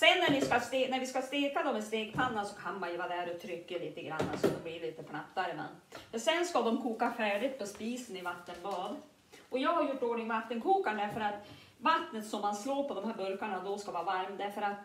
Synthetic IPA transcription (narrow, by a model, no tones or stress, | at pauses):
sɛnːæɳɪskast̪eːnæɾvɪskast̪eːkad̪ɔmɪst̪eːkpʰanːasɔkʰanmajvaːd̪æɾɔt̪ʰɾʏkːəliːt̪əɡɾa̰nːa̰sɔd̪ɔmblɪɾɭiːt̪əpʰɳapt̪ːaɾəmɛ̰nɛsɛnskad̪ɔmkʰuːkafæːɖɪt̪̚pʰɔspiːsənɪvat̪ːənbɑːd̪ | ʔɔjɑːɡhaɾjʊʈːoːɳɪŋvat̪ːənkʰuːkaɳɖ̪æɾfœɾat̪ | vat̪nət̪sɔmːansloːɾpʰɔd̪ɔmɦæːɾbɵɾkaɳad̪ɔskavɑːvaɾmd̪æɾfəɾat̪